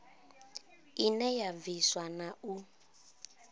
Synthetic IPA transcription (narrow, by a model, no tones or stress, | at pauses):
inɛjaviswanau